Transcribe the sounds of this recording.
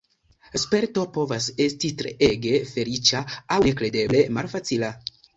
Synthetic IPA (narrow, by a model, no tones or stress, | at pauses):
spe̞ɾto̞po̞vase̞stitɾeʔe̞ɡe̞fe̞ɾit͡ʃaawne̞kɾe̞de̞ble̞malfat͡sila